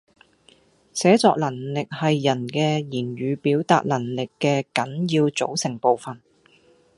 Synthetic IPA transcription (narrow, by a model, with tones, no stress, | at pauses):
sɛː˨˥t͡sɔː˧k̚lɐ˨˩nlɪ˨k̚hɐ˨jːɐ˨˩nkɛː˧jiː˨˩nɥyː˨˧piː˨˥wt̪a̰ː˨˧t̚lɐ˨˩nlɪ˨kːɛː˧kɐ˨˥njiː˧wt͡so̰˨˥wsɪ˨˩ŋpo˨wfɐ˨n